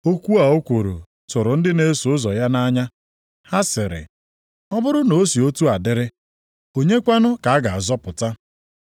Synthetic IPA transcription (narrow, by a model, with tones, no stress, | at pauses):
o˦kʷu˦a˨o˦kʷo˨ɾo̰˨ | tʊ˨ɾʊ˨n̩˦dɪ˦ne˦su˨ʊ˦zɔ˨ja˦na˦ɲa˦ | ha˦sɪ˨ɾɪ̰˨ | ɔ˦bʊ˦ɾʊ˦no˨˦si˨o˦tu˦a˨dɪ˦ɾɪ˦ | o˦ɲe˦kʷa˦nʊ˦ka˨a˦ɡa˨a˨zɔ˦pʊ˨ta˦